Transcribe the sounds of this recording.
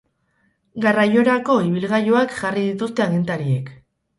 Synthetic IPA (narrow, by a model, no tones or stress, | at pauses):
ɡarajo̞ɾako̞iβ̞ilɣajo̞akʝarið̞it̪ust̪e̞aɣint̪aɾie̞k